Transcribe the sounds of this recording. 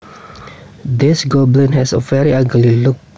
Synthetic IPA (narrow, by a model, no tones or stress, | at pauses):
d̪ɪsɡoblĩnɦɛsəvɛɹiaɡəliluk̚